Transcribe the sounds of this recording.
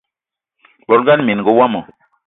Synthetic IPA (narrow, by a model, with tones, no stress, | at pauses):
bɔ˨lɡa˦nmi˨n˨ɡo˨˦wa˦mɔ˨